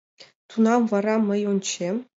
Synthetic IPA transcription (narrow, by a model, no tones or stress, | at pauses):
t̪unɑmvɑɾɑmɤ̆junt͡ɕe